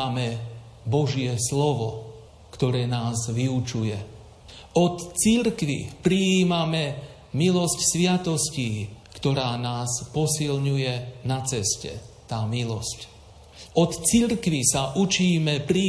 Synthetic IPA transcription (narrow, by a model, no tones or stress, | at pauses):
amɛbɔʒɪɛslɔʋɔ | kt̪ɔɾɛːnaːzʋiut͡ʃujɛ | ɔt̪t͡siɾkʋḭpɾiiːmamɛ | milɔscsʋɪat̪ɔsciːkt̪ɔɾaːnaːspɔsilɲujɛnat͡sɛscɛ̰t̪aːmilɔsc | ʔɔt̪t͡siɾkʋisaʔut͡ʃiːmɛpɾi